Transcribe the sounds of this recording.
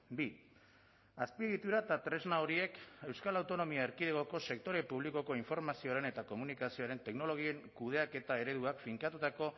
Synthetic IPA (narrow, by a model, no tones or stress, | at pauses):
bi | aspiðit̪uɾat̪at̪ɾe̞znaoɾie̞ke̞wskalawt̪o̞no̞miaeɾkiðeɣo̞ko̞se̞k̚t̪o̞ɾe̞puβliko̞ko̞iɱfo̞ɾmasio̞aɾe̞ne̞t̪ako̞munikasio̞aɾe̞nt̪e̞kno̞lo̞ɣ̞ie̞ŋkuð̞e̞ake̞t̪ae̞ɾe̞ðuakfiŋkat̪ut̪ako̞